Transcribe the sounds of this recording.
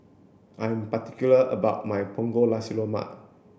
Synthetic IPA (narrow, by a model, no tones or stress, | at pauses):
ʔãj̃mpatikjuləʔəbaʊt̚majpʰɔ̃ŋɡolasiloma̰ʔ